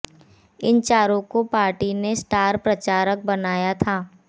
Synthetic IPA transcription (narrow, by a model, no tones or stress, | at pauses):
ɪnt͡ʃaːɾõkopaːɾʈinesʈaːɾpɾɐt͡ʃaːɾək̚bɐnaːjat̪ʰaː